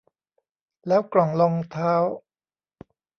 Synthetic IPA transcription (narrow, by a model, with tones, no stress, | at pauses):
lɛː˦˥wklɔ˨˩˦ŋlɔ˧ŋt̪ʰaː˦˥w